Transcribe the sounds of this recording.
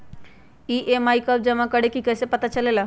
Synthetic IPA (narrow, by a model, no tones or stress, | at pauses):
iʔemaikəp̚d͡ʑɛm̤akəɽ̤ekikəsepət̪at͡ɕəlela